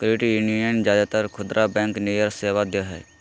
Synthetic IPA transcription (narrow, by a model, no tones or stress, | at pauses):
kɾɪʈijuniənd͡ʒjaːd̪aːt̪əɾkʰʊd̪ɾʔaːbɛ̃ːŋknejəɾseːʋad̪ɪjaɦɛ̰ː